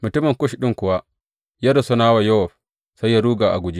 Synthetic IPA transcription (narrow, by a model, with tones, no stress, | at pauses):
mʊ˨tʊ˦mɪ˨ŋkʊ˦ʃɗɪ˦ŋkʊ˨wa˦ | ja˦dɔ˨sɔ˦naː˦wa˨jɔ˦sɔ˨ɸ | sa˦jja˦ɾuː˦ɡaː˨ʔa̰˨ɡʷʊ˨˦d͡ʒi˦